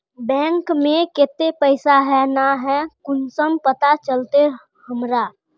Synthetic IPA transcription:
bɛ̃ːŋkmẽket̪epəɪsaɦɛnaɦɛkʊnsəmpət̪at͡ʃəlt̪e | həmɾa

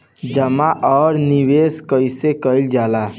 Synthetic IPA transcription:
d͡ʒəmaʔɔːɾniweskəɪsekəɪld͡ʒala

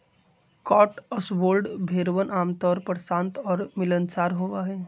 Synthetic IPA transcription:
kɔːʈəsboːlɖbʱeːɾʋənaːmt̪ɔːɾpəɾsãːnt̪ɔːɾmɪlənt͡ʃaːɾɦoːʋaɦɛː

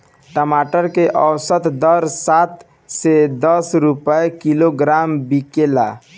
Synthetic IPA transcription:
ʈəmaʈəɾkeʔəwsət̪d̪əɾsat̪ | sed̪əsɾupəjkiloɡɾambikela̰

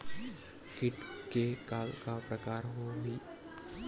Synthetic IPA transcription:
kɪʈkekaːlkapɾəkaːɾɦoɦiː

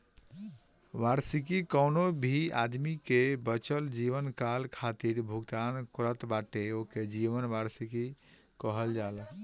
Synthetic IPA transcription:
ʋaɾsikikɔʊnobʱia̰d̪mikebət͡ʃəld͡ʒiʋənkalkʰat̪iɾbʱuɡt̪ankɾət̪baʈeoked͡ʒiʋənʋaɾsiki | kəɦəld͡ʒal

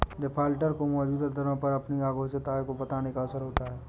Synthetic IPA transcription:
ɖɪpʰaːlʈəɾkomɔːd͡ʒuːd̪ad̪ʱɐɾə̃pɐɾɐpniaːɡʱoːʃət̪aːkobɐt̪aːnekaɐsəɾɦoːt̪aɦɛː

